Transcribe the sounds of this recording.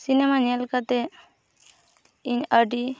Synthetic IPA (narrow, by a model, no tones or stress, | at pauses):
sinemaɲɛlkat̪e | iɲəɖi